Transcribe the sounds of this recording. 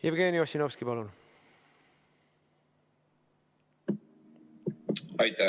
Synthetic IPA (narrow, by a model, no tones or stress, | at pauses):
jebɡeːnioɕinofskipɑlun | ɑjt̪æ